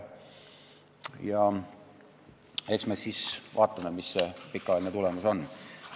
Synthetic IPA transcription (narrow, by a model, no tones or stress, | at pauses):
jɑ | eksmesisʋɑ̰ːt̪ːɑmemissepikːɑlæˑlinet̪ulemuson